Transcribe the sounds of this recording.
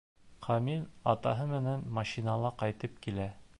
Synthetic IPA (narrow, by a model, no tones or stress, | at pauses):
qɑmilɑt̪ɑɦɤmɘ̆nænmɑʃinɑlˠɑqɑjt̪ɤp̚kilæ